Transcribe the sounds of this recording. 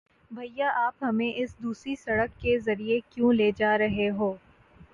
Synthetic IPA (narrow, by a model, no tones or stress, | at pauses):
bʱɐjaʔaːpɦɐmẽʔɪsd̪uːsɾisɐɽəkːezɐɾiekjũleːd͡ʒaːɾɐɦeɦoː